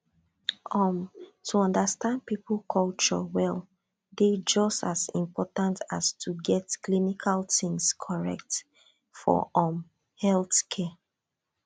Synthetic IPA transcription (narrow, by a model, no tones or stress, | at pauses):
ʔɔmtʰuɔ̃ndəstãnd̚pipʰl̩ˠkʰɔlt͡ʃɔ̰wɛl | ded͡ʒɔstazḭ̃mpɔtãntastʰuɡɛtklinikʰaltĩŋskʰɔɹɛ̰k̚t | fɔ̰ʔɔm | hɛlθkʰɛ